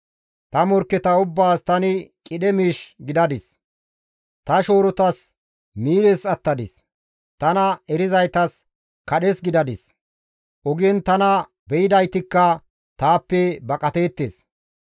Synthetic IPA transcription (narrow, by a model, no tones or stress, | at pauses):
t̪ɐmɔɾkːɛt̪ɐʊbːaːst̪ɐnɪkʼɪɗɛmiːʃɡɪd̪ɐd̪ɪs | t̪ɐʃo̞ːɾɔt̪ɐs | miːɾɛsɐt̪ːɐd̪ɪ̰s | t̪ɐnɐɛɾɪzɐjt̪ɐs | kɐɗɛsɡɪd̪ɐd̪ɪs | ʔɔɡɛnt̪ɐnɐ | bɛjɪd̪ɐjt̪ɪkːɐ | t̪aːpːɛbɐkʼɐt̪eːt̪ːeːs